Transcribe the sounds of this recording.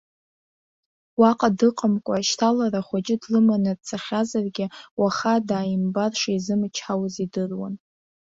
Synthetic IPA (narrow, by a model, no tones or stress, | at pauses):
waqʼadɨqʼəmkʷʼaʃtʰalaɾaχʷad͡ʒʼɪdlɨmanɨdt͡sʰaχʲazarɡʲɪwaχadaːjimbarʂaizɨmɨt͡ʃʰħawzidɨrwa̰n